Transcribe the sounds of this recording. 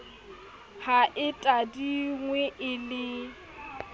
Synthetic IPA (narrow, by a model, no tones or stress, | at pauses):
haʔɪtʼadiŋwɛʔɪlɪ